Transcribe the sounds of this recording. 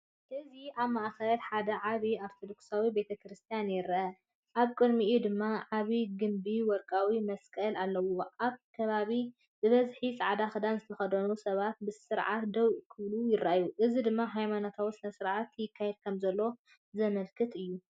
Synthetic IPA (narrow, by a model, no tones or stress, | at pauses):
ʔɨziʔaβmaʔxɐlħad̪ɐʕaβiaɾt̪ʰod̪o̞ksawibe̞t̪ʰɐkʰɾɨst̪ʰijanjɪɾʔɐ | ʔaβkʼɨd̪miʔud̪ɨmːaʕaβiɡɨmbiwɔɾkʼawimɐskʼɐlalːɐwoʔaβkʰɐβaβi | bɨβɐzħisʼɐʕad̪axɨd̪anzɨt̪ʰɐxɐd̪ɐnusɐβat̪̚bɨsɨɾʕat̪d̪ɐwʔkʰɨβlujɪɾajuʔɨzid̪ɨmːaɦajmanot̪ʰawisɨnɐsɨɾʕat̪jɪkʰːajɛd̪̚kʰɐmzɐlːo̞ | zɐmɐlkʰɨt̪ʰɨjːu